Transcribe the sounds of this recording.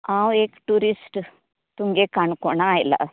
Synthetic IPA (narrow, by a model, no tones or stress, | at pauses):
ãwekʈuɾisʈ | t̪uŋɡekaɳkɔɳaːjla̰